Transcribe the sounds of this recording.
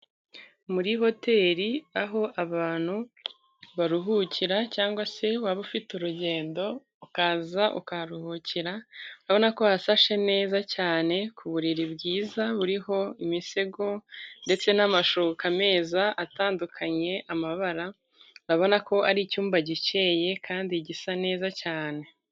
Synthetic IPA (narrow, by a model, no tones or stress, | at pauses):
muɾiɦo̞te̞ːɾiaɦo̞ʔaβaːn̥hu | βaɾuɦuciɾacaːŋɡwase̞waβufituɾuɟe̞ːndo̞ | ukaːzaʔṵkaɾuhuciɾauɾaβo̞nako̞hasaʃe̞ne̞ːzacaːne̞kʰuβuɾiɾibɡiːzaβuɾiɦo̞imiseɡo̞nde̞t͡se̞namaʃukame̞ːzaʔataːndukʰaɲe̞ʔamaβaɾa | ɾaβo̞nako̞aɾicuːmbaɟit͡ʃe̞je̞kʰaːndiɟisane̞ːzacaːne̞